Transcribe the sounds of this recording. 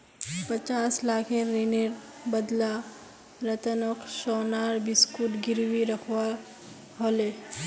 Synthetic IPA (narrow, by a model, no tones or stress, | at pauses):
pət͡ʃaːslaːkʰẽɾineɾ | bəd̪la | ɾət̪ənokʃoːnaːɾbɪskuʈɡɪɾwiɾəkʰwa | ɦoːle